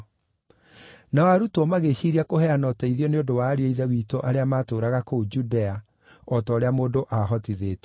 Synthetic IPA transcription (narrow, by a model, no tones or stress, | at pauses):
naɔaɾutwɔmaɣeɕiɾiakohɛanɔtɛiðiɔneodowaːɾieiðɛwiːtoʔaɾeamaːtoːɾaɣakoud͡ʒudɛa | ɔtɔɾeamoːdoʔaɦɔtiðeːt